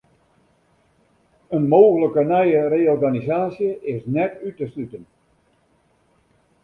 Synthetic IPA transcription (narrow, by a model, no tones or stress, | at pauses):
ənmoːɣələkənɛjəreɔrɣanizaːsjəɪsnɛtytəslytən